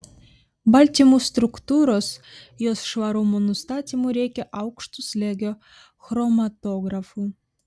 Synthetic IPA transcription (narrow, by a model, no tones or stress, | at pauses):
bɑlʲt̪ʲimust̪ɾʊkt̪uɾosjosʃʋɑɾumunʊst̪ɑːt̪ʲimuɾʲɛjkʲɛʔɑʊkʃt̪uslʲeɡʲo | xɾɔmat̪oɡɾafu